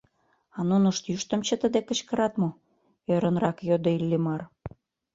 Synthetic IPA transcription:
ɑnunəʃt̪jyʃt̪ə̆mt͡ɕə̆t̪əd̪ekə̆t͡ɕkəɾɑt̪mo | øɾənrɑkjod̪oilːimɑr

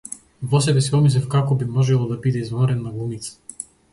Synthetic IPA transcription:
vɔs̬ɛbɛsiɔmis̬lʲɛfkakɔbimɔʒɛlˠɔd̪abid̪ɛizvɔɾɛnːaɡlˠumit̪sḁ

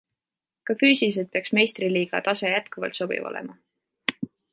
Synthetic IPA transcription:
kɑfyːsilis̬et̪̚pe̞ɑksme̞jst̪riliːɡ̥ɑ̰t̪ɑse̞jæt̪kuvɑ̰lt̪so̞b̥ḭvo̰lḛmɑ

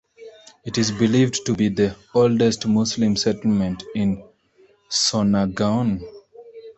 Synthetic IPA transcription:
ɪʈɪzbɪliːvɖʈubid̪ə | olɖesʈmʊslɪ̃msɛʈəl̩mə̃nʈɪ̃n | sɔnaɡãʊ̃n

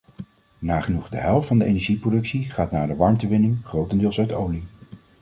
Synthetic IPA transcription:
naːχənuχdə̰ɦɛlˠftfɑndəḛjnɛɹʒiprodɵksiχaːtnaːɹdəʋɑɹmtəʋɪnɪŋχrowtəndɪːlˠsœɥtowli

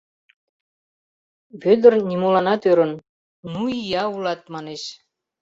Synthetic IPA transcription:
βød̪ə̆rnʲimolɑnɑt̪øɾə̆n | nuijɑulɑt̪mɑneʃ

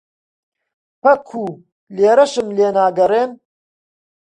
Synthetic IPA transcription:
pɐkʰːuː | leːɾɐʃɨmleːnaːɡɐɾeːn

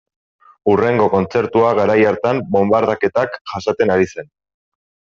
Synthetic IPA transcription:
ure̞ŋɡo̞ko̞nt͡se̞ɾt̪uaɣaɾajaɾt̪ambo̞mbaɾðake̞t̪akʝasat̪e̞naɾise̞n

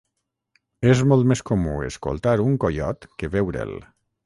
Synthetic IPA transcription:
ezmɔlˠt̪meskomṵḛsko̰lˠt̪aɾuŋkojɔ̰t̪keβewɾḛl

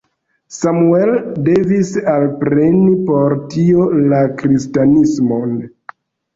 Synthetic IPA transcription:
samue̞lde̞visalpɾe̞nipo̞ɾtio̞lakɾistanismo̞n

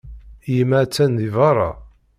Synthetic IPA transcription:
jəmæt͡sːænðivɑɾˤɑ̰

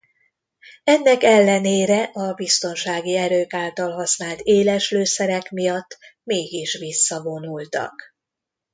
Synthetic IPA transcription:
ɛnːɛkɛlːɛneːɾɛʔɒbist̪o̞nʃaːɡiɛɾøːkaːlt̪ɒlɦɒsnaːlt̪eːlɛʃløːsɛɾɛkmijɒt̪ːmeːɡiʃʋisːɒvo̞nult̪ɒ̰k

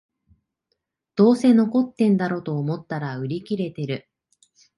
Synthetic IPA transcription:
d̪̥o̞ːse̞no̞ko̞t̪ːẽ̞nd̪aɾo̞t̪o̞ːmo̞t̪ːaɾaɯ̟ɾʲikʲiɾe̞t̪e̞ɾɯ̟

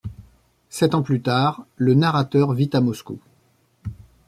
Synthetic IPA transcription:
sɛt̪ɑ̃plyt̪aːʁlənaʁat̪œʁvit̪amɔskṵ

